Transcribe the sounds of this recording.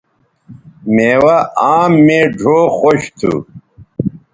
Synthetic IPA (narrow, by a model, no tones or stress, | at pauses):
meːwɐaːmːeːɖʱoːxoɕt̪ʰṵ